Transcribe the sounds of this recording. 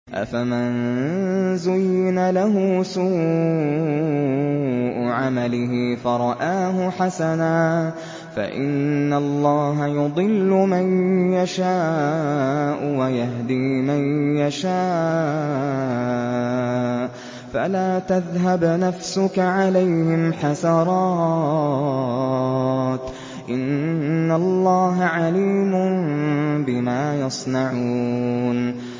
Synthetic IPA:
ʔa̰famɪn | zʊjɪnalaɦʊsuː | ʔʕamalɪɦɪfɑɾˤɑʔaːɦʊħasanaː | fa̰ʔɪ̰nːalˤːɑːɦajʊd̪ˤɨlːʊmanjaʃaː | ʔʊwajaɦd̪iːmanjaʃaː | falaːt̪aðɦabnafsʊkaʕalajhɪmħasɑɾˤɑː | t̪ | ʔɪnːalˤːɑːɦaʕaliːmʊnbɪmaːjɑsˤnaʕun

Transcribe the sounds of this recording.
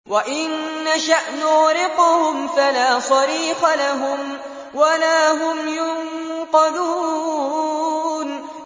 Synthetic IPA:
waʔɪnːaʃaʔnʊɣɾɪqʊhʊmfalaːsˤɑɾiːxalaɦʊm | walaːɦʊmjʊnqɑd̪uː | n

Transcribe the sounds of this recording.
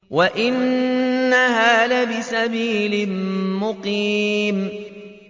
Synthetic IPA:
waʔɪnː | ahaːðabɪsabiːlɪmmʊqiːm

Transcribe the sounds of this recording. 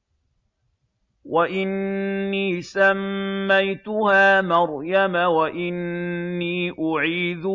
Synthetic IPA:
waʔɪnːiːsamːajt̪ʊhaːmɑɾˤjamawaʔɪnːiːʔʊʕiːðʊ

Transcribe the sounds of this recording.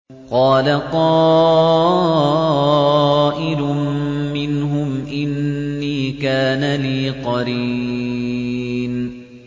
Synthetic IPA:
qɑːlaqɑː | ʔɪlʊːɪnɦʊmʔɪnːiːkaːnaliːqɑɾi | n

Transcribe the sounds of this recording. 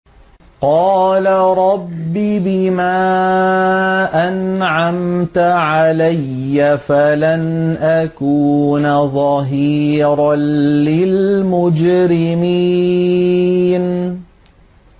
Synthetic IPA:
qɑːlaɾˤɑbːibɪmaː | ʔanʕamt̪aʕalajːafalanʔakuːnaðˤɑɦiːɾˤɑnlɪlmʊd͡ʒɾɪmi | n

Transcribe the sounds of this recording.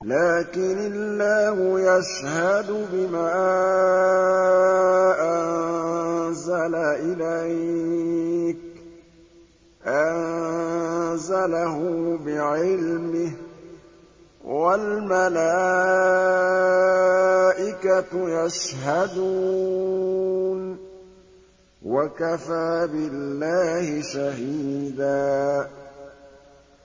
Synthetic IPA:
laːkɪnɪlːaːhʊjaʃ | had̪ʊbɪmaː | ʔannzalaʔɪlaj | k̚ | ʔann | zalaɦʊbɪʕɪlmɪh | walmalaː | ʔɪkajaʃhad̪uː | n | wakafaːbɪlːaːhɪʃaɦiiːd̪aː

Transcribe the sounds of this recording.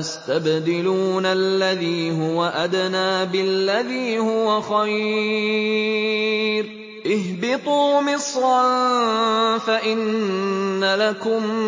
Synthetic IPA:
ast̪abd̪ɪluːnalːaðiːɦʊwaʔad̪naːbɪlːaðiːhʊwaxaj | ɾ | ʔɪhbɪt̪ˤuːmɪsɾɑn | faʔɪnː | alakʊm

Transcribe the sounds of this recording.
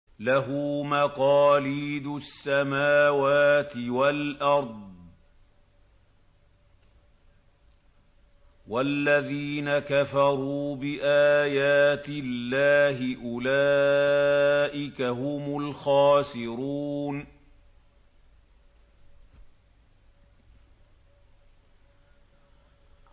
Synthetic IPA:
laɦʊːmaqɑːliːd̪ʊsːamaːwaːt̪ɪwalʔɑɾˤd̪ˤ | walːaðiːnakafɑɾˤuːbɪʔaːjaːt̪ɪlːaːɦɪʔʊlaː | ʔɪkahʊmʊlxaːsɪɾuːn

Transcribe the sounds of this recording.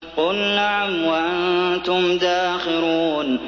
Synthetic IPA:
qʊlnaʕamwaʔant̪ʊmd̪aːxɪɾuːn

